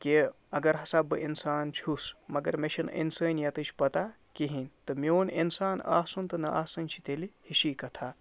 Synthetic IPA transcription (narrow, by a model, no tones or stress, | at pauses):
ki | ɐɡɐɾɦɐsaːbɨʔinsaːnt͡ʃʰusmɐɡɐɾmeʃʰɐnʔḭnsəːnjɐt̪ɨt͡ʃʰʲpɐt̪a | kiɦinʲt̪ɨmioːninsaːna̰ːsunt̪ɨnɐʔa̰ːsɐnʲt͡ʃʰi̥t̪elihiʃiːkɐt̪ʰaː